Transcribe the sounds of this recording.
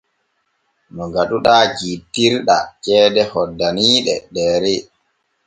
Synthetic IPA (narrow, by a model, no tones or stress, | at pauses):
nɔɡaɗuɗaːɡitːiɾɗat͡ʃɛːdɛhɔdːaniːɗɛ̰ɗɛːɾɛ